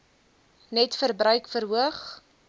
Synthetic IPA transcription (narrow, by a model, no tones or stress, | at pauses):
nɛtfərbɾœɥkfərɦuəχ